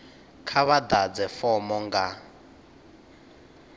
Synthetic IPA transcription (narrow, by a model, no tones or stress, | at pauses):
kʰaβad̪ad͡zɛfɔmɔŋɡa